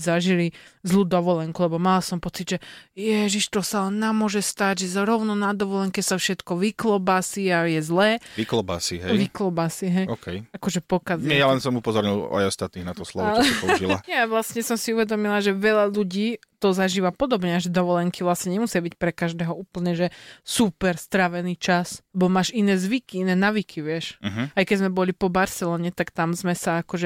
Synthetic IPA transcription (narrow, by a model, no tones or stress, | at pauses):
zaʒilizluːd̪ɔʋɔlɛŋkulɛbɔmalasɔmpɔt͡sid̪ʒɛjɛʒiʃt̪ɔsalɛnːamʊɔʒɛst̪aɟʒɛzɾɔʊnɔnad̪ɔʋɔlɛŋkɛsafʃɛt̪kɔʋiklɔbasiajɛzlɛːʋiklɔba̰siɦɛjʋiklɔbasiɦɛjɔːkʰɛjakɔʒɛpɔkazɛjalɛnsɔmupɔzɔɾɲila̰jɔst̪at̪niːɣnat̪ɔslɔʋɔiɔila̰ɲɛaʋlasɲɛsɔmsiuʋɛd̪ɔmilaʒɛʋɛʎaʎuɟiːt̪ɔzaʒiːʋapɔd̪ɔbɲɛaʒɛd̪ɔʋɔlɛŋkiʋlasɲɛɲɛmusɪabicpɾɛkaʒd̪ɛːɦɔuːpl̩ɲɛʒɛsupɛɾst̪ɾaʋɛniːt͡ʃaslɛbɔmaːʒinɛːzʋikiinɛːnaːʋikʰiʋɪɛʃ̩ɦ̩ajkɛɟzmɛbɔlipɔbaɾsɛlɔːɲɛt̪akt̪amzmɛsaakɔʒɛ